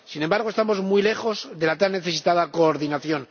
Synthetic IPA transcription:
sinembaɾɣe̞st̪amo̞zmujle̞xo̞zðe̞lat̪anːe̞θe̞sit̪aðakoːɾðinaθjo̞n

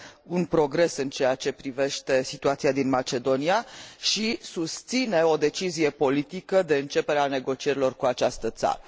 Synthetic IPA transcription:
unpɾo̞ɡɾe̞sɨnt͡ʃe̞jat͡ʃe̞pɾive̞ʃt̪e̞sit̪uat̪siad̪inmat͡ʃe̞d̪o̞niaʃisust̪sine̞o̞d̪e̞t͡ʃizije̞po̞lit̪ikəd̪e̞ɨnt͡ʃe̞pe̞ɾeane̞ɡo̞t͡ʃie̞ɾilo̞rkuat͡ʃast̪ət̪sa̰ɾə

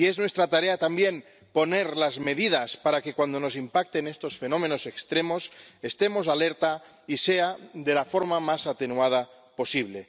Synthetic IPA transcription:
ie̞znwe̞st̪ɾat̪aɾe̞at̪ambje̞n | po̞ne̞ɾlazme̞ðið̞aspaɾake̞kwand̪o̞no̞s̬impak̚t̪e̞ne̞st̪o̞sfe̞no̞mẽ̞no̞se̞kst̪ɾemo̞se̞st̪e̞mo̞s̬ale̞ɾt̪a | ise̞aðe̞lafo̞ɾmamasat̪e̞nuað̞a | po̞siβ̞le

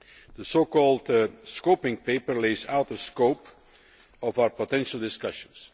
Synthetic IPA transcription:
ðəsoʊkɔlˠdskoʊpɪ̃ŋpeɪpəɹleɪza̰ʊt̪̚əskoʊp | ɔvaʊə˞pətɛ̃nʃl̩ˠdɪskʌʃə̃ns

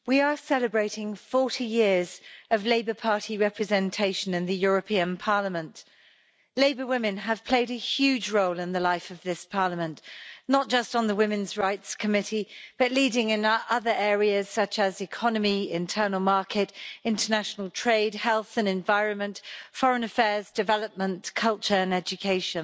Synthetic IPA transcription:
wiəsɛləbɹeɪtɪ̃ŋfɔˑtijɪəzəvleɪbə˞pʰɑɹɾʰiɹɛpʰɹɨzɛ̃ntʰeɪʃə̃nɪ̃nðəjʊɹəpʰĩə̃npʰɑɹləmə̃nʔ | leɪbəwɪ̃mɨ̃nəv̥pʰl̥eɪɾɨhjʉːd͡ʒɹoʊlɪ̃nðəlaɪfəvðɪspʰɑɹləmə̃nʔnət̚d̥ʒ̥ʌstn̩ðəwɪ̃mɨ̃nzɹaɪtskʰəmɪtib̥ʌʔˡliːdɪ̃ŋɪ̃nʔʌðə˞ʔɛːɹiəz̥sʌt͡ʃəzɪkʰɒnəmiɪ̰̃ntʰɜːnəlˠmɑɹkɪtɪ̃ntʰənaʃnəlˠtʰɹ̥eɪd̚hɛlˠθə̃nɛ̃ɱvaɪɹə̃nmə̃ntfɒɹə̃nəfɛːzdɨvɛləp̚mə̃nkʰʌlˠt͡ʃə˞ə̃nɛd͡ʒɨkʰeɪʃə̃n

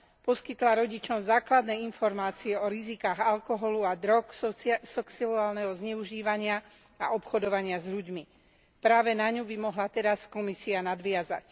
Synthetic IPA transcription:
pɔskit̪laɾɔɟit͡ʃɔmzaːklad̪nɛːinfɔɾmaːt͡siɛɔɾizikaːɣalkɔɦɔluad̪ɾɔkssɔksiuaːlnɛɦɔzɲɛuʒiːʋaɲɪa | aʔɔpxɔd̪ɔʋaɲɪazʎuɟmi | pɾaːʋɛnaɲubimɔɦlat̪ɛɾaskɔmisianad̪ʋɪaza̰c

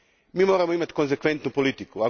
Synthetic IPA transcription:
mimɔɾɐmũmẽt̪kõs̬ekwẽnt̪nʊupulit̪ikua

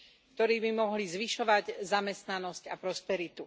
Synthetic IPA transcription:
kt̪ɔɾiːbimɔɦlizʋiʃɔʋaɟzamɛst̪nanɔscapɾɔspɛɾit̪u

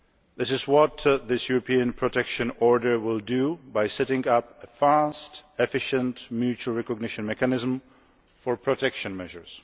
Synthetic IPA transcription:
ðɪsɪzwɔt̪ðɪsjuɹɔpʰiə̃npʰɹɔtʰɛkʃɨ̃nɔɹdə˞wɪldubajsɛtɪ̃ŋapəfastɛfɪʃə̃ntmjʉt͡ʃuəlˠɹɛkɔɡ̚nɪʃə̃nmɛkanɪzm | fɔɹpʰɹɔtʰɛkʃə̃nmɛʒəɹs

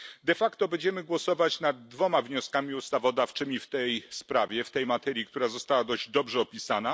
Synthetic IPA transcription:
d̪ɛfakt̪ɔbɛɲd͡ʑɛmɘɡwɔsɔvat͡ɕnad̪̚ːvɔmavɲɔskamʲiust̪avɔd̪aft͡ʂɘmʲift̪ɛjspɾavʲjɛft̪ɛjmat̪ɛɾʲjikt̪uɾazɔst̪awad̪ɔʑd͡ʑd̪ɔbʐɛɔpʲisana

